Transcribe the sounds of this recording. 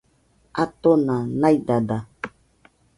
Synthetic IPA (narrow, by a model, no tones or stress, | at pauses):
at̪onãnãidada